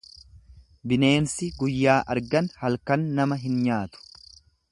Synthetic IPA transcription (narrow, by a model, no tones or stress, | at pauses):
bɪne̞ːnsɪɡʊjːaːʔɐɾɡɐnhɐlkɐnːɐmɐɦɪnɲaːt̪ʊ̥